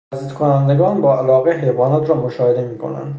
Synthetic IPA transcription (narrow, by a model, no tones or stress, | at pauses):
æziːt̪kʰonænd̪eɡɒːnbɒːælɒːɣeɦejvɒːnɒːt̪ʰɾɒːmoʃɒːhed̪emiːkʰo̰næ̰nd̪